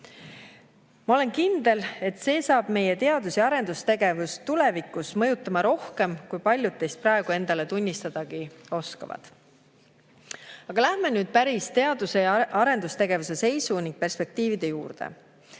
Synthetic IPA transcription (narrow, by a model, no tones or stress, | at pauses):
mɑo̞le̞nkind̪̥e̞le̞t̪se̞ːsɑːb̥me̞je̞t̪e̞ɑd̪̥usiɑɾe̞nd̪ust̪e̞ɡe̞vust̪ule̞vikˑusmɤ̞jut̪ːˑɑmɑɾo̞hke̞mkujpɑlʲjud̪̥̚ːe̞jst̪̚prɑe̞ɡ̥ue̞nd̪̥ɑle̞t̪unʲːist̪ɑd̪̥ɑɡio̞skɑ̰vɑ̰d̪̥ | ɑɡ̥ɑlæhme̞nyːd̪̥̚pæɾist̪e̞ɑd̪̥useɑɾe̞nd̪ust̪e̞ɡe̞vuse̞se̞jsuniŋɡ̥̚pe̞rspe̞k̚t̪iːvid̪̥e̞jṵːrd̪̥e̞̰